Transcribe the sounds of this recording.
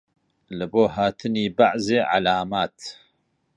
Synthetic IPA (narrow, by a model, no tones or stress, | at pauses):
lɨboːhaːt̪ʰɨniːbaʕzeːʕalaːmaːt̪